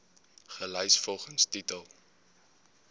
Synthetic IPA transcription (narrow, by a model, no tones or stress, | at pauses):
χəlɛjsfɔlˠχənstitəlˠ